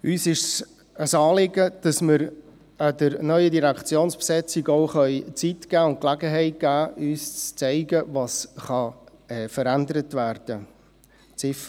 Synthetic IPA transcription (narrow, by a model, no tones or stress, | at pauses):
yːsɪʃs | əsɑːlɪɡəd̥ɑsmɪɾ | ədəɾnœʏədiɾækt͡sjoːnspsɛt͡siɡoʊχœʏt͡sitɡ̥æːʊnt̚klæɡəɦɛɪt̚ɡ̥æːyːst͡st͡sɛɪɡəvɑsχɑ | ɛfəɾændəɾətværd̥ə | t͡sɪf